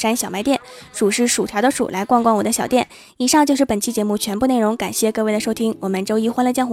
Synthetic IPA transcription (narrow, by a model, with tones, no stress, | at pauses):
ʂa˥nɕjɑ˨˩ʊma˧˥ɪt̪jɛ˥˩nʂu˨˩ʂɻ̩˥˩ʂu˨˩t̪ʰjɑ˧˥ʊd̪ə˧ʂṵ˨˩lʔa˧˥ɪkwɑ˥˧ŋkwɑ˥˩ŋwɔ˨˩d̪ə˦ɕjɑ˨˩ʊt̪jɛ˥˩n | i˨˩ʂɑ˥˧ŋt͡ɕjo˧ʊʂɻ̩˥˩pə˨˩nt͡ɕʰi˧˥t͡ɕjɛ˧˥mu˥˩t͡ɕʰɥɛ˧˥npu˥˧ne˥˩ɪʊ˧˥ŋka˨˩nɕjɛ˥˧kɤ˥˧we˥˩ɪd̪ə˩ʂo˥ʊt̪ʰi˥ŋwɔ˨˩mə˦nʈ͡ʂo˥ʊi˥xwa˥nlə˧t͡ɕjɑ˥˩ŋx